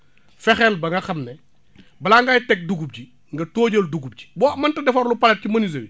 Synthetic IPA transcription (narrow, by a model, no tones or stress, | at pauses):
fɛxɛlbɐŋɡɐxɐmnɛ | bɐlaŋɡajtɛk̚duɡub̚ɟi | ŋɡɐtoːɟɐlduɡub̚ɟi̥bɔːmɐntɐdɛfɐɾlupɐlɛt̚cimɐniz̬ɐwi